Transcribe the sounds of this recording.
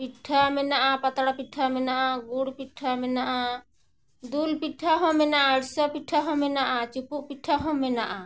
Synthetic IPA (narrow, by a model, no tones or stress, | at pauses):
piʈʰamɛnaʔapat̪aɽapiʈʰamɛnaʔaɡuɽpiʈʰamɛnaʔa | d̪ulpiʈʰːaɦɔ̃mɛnaʔaɽsɔpiʈʰaɦɔ̃mɛnaʔat͡ʃupuʔpiʈʰːaɦɔ̃mɛnaʔa